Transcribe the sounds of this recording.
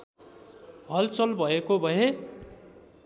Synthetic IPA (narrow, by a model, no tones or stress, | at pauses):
ɦʌlt͡sʌlbʱʌekobʱʌe